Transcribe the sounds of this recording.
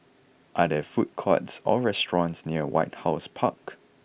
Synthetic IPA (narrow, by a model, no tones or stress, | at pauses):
ʔadəfut̚kʰɔ̰tsɔɹɛstɹɔ̃nsniəwa̰ɪt̚haʊspʰak